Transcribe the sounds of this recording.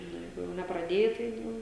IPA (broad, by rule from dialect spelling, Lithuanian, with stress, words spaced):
ˈnʊ ˈjɛɪɡʊ jɛʊ nʲɛprɐˈdʲeːjɛ tɐɪ ˈjɛʊ